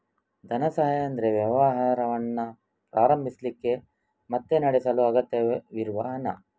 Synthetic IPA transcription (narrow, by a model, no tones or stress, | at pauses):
d̪ʱɐnɐsɐɦɐɐnd̪ɐɾeʋjɐʋɐɦaːɾɐʋɐnːɐ | pɾaːɾɐmbʱislikːe̞ | mɐt̪ːe̞nɐɽesɐluɐɡɐt̪jɐʋiɾuʋɐɦɐnɐ̰